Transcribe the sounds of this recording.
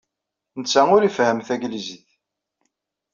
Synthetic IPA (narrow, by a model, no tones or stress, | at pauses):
nət͡sːæŋʊɾifhəmθæɡliziθ